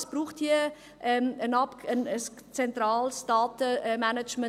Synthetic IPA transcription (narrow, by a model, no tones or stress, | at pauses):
sb̥ɾuːχthiə | ʔɛmənɑpənəs | t͡sɛnt̪ɾaːlsd̥ɑːtəmænət͡ʃmə